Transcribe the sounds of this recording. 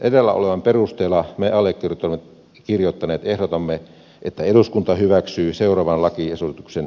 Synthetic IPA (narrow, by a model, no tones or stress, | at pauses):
ʔedelːæ̰ʔo̰leʋɑmperust̪eːlːˑɑmeɑlːekːirt̪olemːe | kirjot̪ːɑneːt̪ehɾot̪ɑmːe | ʔet̪ːæeduskunt̪ɑhyʋæksyːseurɑʋɑnlɑkiesosit̪uksen